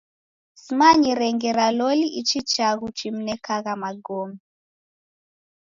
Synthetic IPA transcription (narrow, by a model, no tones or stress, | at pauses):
simaɲiɾɛŋɡɛɾalɔliʔit͡ʃit͡ʃaɣut͡ʃim̩nɛkaɣamaɡɔmi